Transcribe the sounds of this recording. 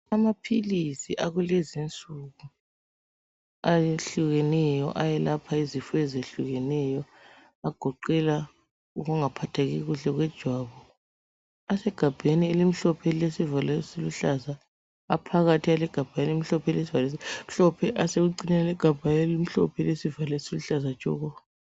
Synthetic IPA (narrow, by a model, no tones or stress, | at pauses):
amapʰilisiʔaɣulezint͡sʼuɣu | ajeɬuɣɛnɛjɔ̰ʔajɛlapʰaizifɔɛzeɬuɣɛnɛjɔ | aɡ̥ʱɔǃɛla | uɣuŋapʰatʰaɣiɣuɬɛɣwɛd̥ʒ̥ʱwaβɔ | asɛɡ̥ʱab̥ʱenielimiɬɔpʰɛlesivalɛsiluɬazaː | pʰaɣatʰialɛɡ̥ʱab̥ʱajnem̩iɬɔpʰɛlesivalis̬im̩ɬɔpʰɛʔaseɣuǀiɲalɛɡ̥ʱab̥ʱaelim̩ɬɔpʰɛlesivalɛsiluɬazḁʒ̥ʱʼɔ̰ːɣɔβa